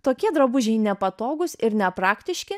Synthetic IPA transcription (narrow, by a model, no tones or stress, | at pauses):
t̪oːkʲiɛd̪ɾɐbʊʒʲɛɪnʲɛpɐt̪oːɡʊsɪɾnʲɛpɾɑːkt̪ʲɪʃʲkʲɪ